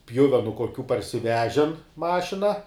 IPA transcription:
ˈpʲjʊʋʲɛnʊ koːˈkʲuː pɐrʲsʲɪˈʋʲæːʒʲɛn ˈmɑːʃʲɪnɐ

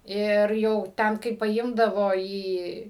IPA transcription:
ˈɪr jɛʊ ˈtʲɛn kɐɪ pɐˈɪmdɐʋoː ˈiː

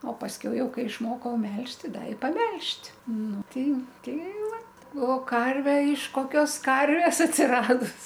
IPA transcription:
oː pɐsʲˈkʲɛʊ ˈjɛʊ ˈkɐɪ ɪʃˈmoːkɐʊ ˈmʲɛlʲʃʲtʲ ˈtʲɪ ˈdɐ ɪ pɐˈmʲɛlʲʃʲtʲ ˈnʊ ˈtʲɛɪ ˈtʲɛɪ ˈʋɐt oː ˈkɐrʲʋʲɛ ɪʃ koːˈkʲoːs ˈkɐrʲʋʲeːs ɐtʲsʲɪˈrɑːdʊs

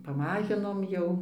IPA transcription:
pɐˈmɑːʒʲɪnoːm ˈjɛʊ

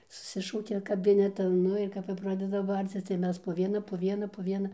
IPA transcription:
sʊˈsʲɪʃɐʊkʲɛ kɐˈbʲɪnʲɛtɐn ˈnʊ ɪr ˈkɐp jɛʊ ˈprɑːdʲɛdɐ ˈbɐrʲt͡sʲɪs tɐɪ ˈmʲɛs poː ˈʋʲiɛnɐ poː ˈʋʲiɛnɐ poː ˈʋʲiɛnɐ

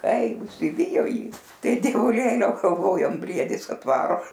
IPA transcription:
ˈkɐɪ ʊʃʲsʲɪˈʋʲɪjoː ˈjiː ˈtɐɪ dʲiɛʋʊˈlʲeːlʲɛʊ ɡɐlˠˈʋoːjoːm ˈbʲrʲiɛdʲɪs ɐtˈʋɑːroː

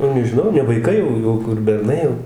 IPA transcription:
nʊ nʲɛʒʲɪˈnɐʊ nʲɛ ʋɐɪˈkɐɪ jɛʊ ˈjɛʊ kʊr bʲɛrˈnɐɪ jɛʊ

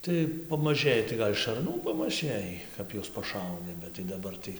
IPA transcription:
tɐɪ pɐmɐˈʒɘjɪ tɐɪ ˈɡɐlʲ ʃɐrˈnuː pɐmɐˈʒɘjiː ˈkɐp juɔs pɐˈʃɐʊnʲɪ bʲɛt tɐɪ dɐˈbɐr tɐɪ

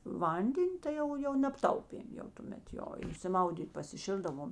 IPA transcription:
ˈʋɐnʲdʲɛnʲ ˈtɐɪ jɛʊ jɛʊ nʲɛpˈtɐʊpʲeːm jɛʊ tʊˈmʲɛt ˈjoː ɪʃʲsʲɪˈmɐʊdʲiːtʲ pɐsʲɪˈʃʲɪlˠdɐʋoːm

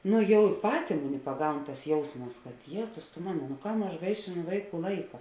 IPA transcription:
ˈnʊ ˈjɛʊ ˈpɑːtʲeː ˈmʊˌnʲɪ pɐˈɡɐʊn tɐs ˈjɛʊsmɐs kɐt ˈjeːtʊs tʊ ˈmɑːnoː nʊ ˈkɐm ɐʃ ˈɡɐɪʃʲeːˌnʊ ˈʋɐɪˌkuː ˈlˠɐɪkɐ

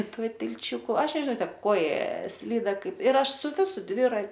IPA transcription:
ˈtuɔ tʲɪlʲˈt͡ʃʲʊkʊ ˈɐʃ nʲɛʒʲɪˈnɐʊ ˈtʲɛp ˈkoːjɛ ˈsʲlʲiːdɐ ˈkɐɪp ɪr ˈɐʃ sʊ ˈʋʲɪsʊ ˈdʲʋʲɪrɐ

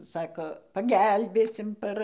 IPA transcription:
ˈsɑːkoː pɐˈɡʲɛlʲbʲeːsʲɪm ˈpɐr

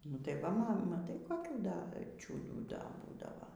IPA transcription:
nʊ tɐɪ ˈʋɐ ˈmɐ mɐˈtɐɪ koːˈkʲuː ˈdɐ t͡ʃʲuːduː ˈdɐ ˈbuːdɐʋɐ

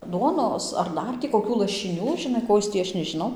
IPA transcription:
ˈduɔnoːs ɐr ˈdɐr tʲiː koːˈkʲuː lˠɐʃʲɪˈnʲuː ʒʲɪˈnɐɪ ˈkoː jɪs tʲiː ˈɐʃ nʲɛʒʲɪˈnɐʊ

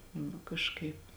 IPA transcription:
nʊ kɐʃˈkɐɪp

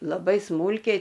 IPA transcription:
lˠɐˈbɐɪ ˈsmuːlʲkʲɛɪ

